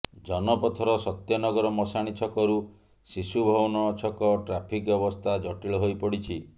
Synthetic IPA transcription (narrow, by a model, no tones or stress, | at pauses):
d͡ʒɔnɔpɔt̪ʰɔɾɔsɔt̪jɔnɔɡɔɾɔmɔsaɽ̃it͡ʃʰɔkɔɾu | sisubʱɔbɔnɔɔt͡ʃʰɔkɔʈɾapʰikbjɔbɔst̪ʰad͡ʒɔʈiɭɔɦojpɔɽit͡ʃʰi